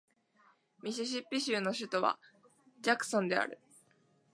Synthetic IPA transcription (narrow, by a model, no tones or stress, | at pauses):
mʲiɕ̬iɕ̬ipʲːiɕɨːno̞ɕɨt̪o̞βa̰ | d͡ʑakɯ̟̥sõ̞nd̪e̞a̰ɾɯ̟̰